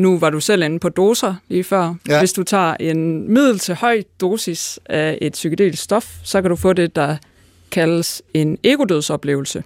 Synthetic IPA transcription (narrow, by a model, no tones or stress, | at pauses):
nuʋɑ̈ɾusel̰en̩pʰɒ̽d̥o̝ːsɐliːfɶɐ̰ʋe̝sd̥ut͡sʰɑ̰̈ːʔe̝nmið̞̰ˠl̩t͡sʰe̝lhɒ̽ɪ̰d̥o̝ːsisæe̝d̥syɡ̥ʰəd̥e̝̰ːlssːd̥ɒ̽fsɒ̽kæd̥ufɔ̰̽ːd̥e̝d̥ɑ̈ | kʰæləse̝ne̝ɡ̥o̝d̥øð̞̰ˠsɒ̽b̥le̝ːʊl̩sə